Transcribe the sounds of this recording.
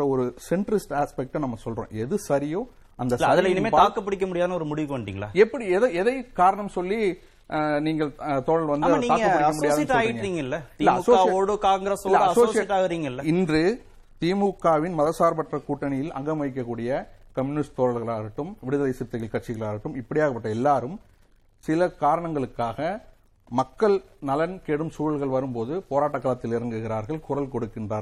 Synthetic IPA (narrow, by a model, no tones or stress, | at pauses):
ɐɔɾɯsɛɳʈɾɪsʈaːspɛk̚ʈɛnɐmːɐsɔlrõ̰ːʔɛðɯsɐɾɪjõː | ʔɐnd̪ɐsɐɐɾðɪnɐmeːaːkːɐpːɐɽɪk̬ʲːɐmʊɽɪjaːðɐnɐɔɾɯmʊɽɪʋɪkoɳɖɽḭːŋɡɐɭa̰ːɛpːɐɽiɛðɐɛðɐɪkaːɾɐɳɐmsɔlːi | niːŋɡɐɭt̪oːɻɐɭʋɐnd̪ɯniːaːɡɐɐɐɐmʊɽɪaðjʈːɔaːjɪʈːŋɡɐɾiːŋɡɐɪlːɐt̪ːlːɐsoːaoːɽɯkaːŋɡɾɐsɔɪːɐɐɐsoːsɪɛʈːaːɣɯɾiːŋɡɐɪlːɐɪndrɯ | t̪iːmukːaːʋɪnmɐðɐsaːɾbɐʈrɐkuːʈːɐnɪjɪlɐ̰ŋɡɐmɐɪk̬ːɐkːuːɽɪjɐkɐmjunɪsʈt̪oːɻɐɭɣɐɭaːɾɯʈːɯmʋɪɽɯðɐlɐɪsɪp̚t̪ːɐɣɐlkɐʈ̚t͡ʃːɪɣɐɭaːɾɯʈːɯmɪpːɐɽɪjaːɣɐpːɐʈːɐɛlːaːɾɯm | sɪlɐkaːɾɐɳɐŋɡɐɭɯkːaːɣɐ | mɐkːɐɭnɐlɐnkeːɽɯmsuːɻɐɭɣɐɭʋɐɾɯmpoːðɯpoːɾaːʈːɐkːɐːɭɐt̪ːɪlɪɾɐŋɡɯɣɪɾaːɾɣɐɭkʊrɐlkɔɽɯkːɪndraːɾɐ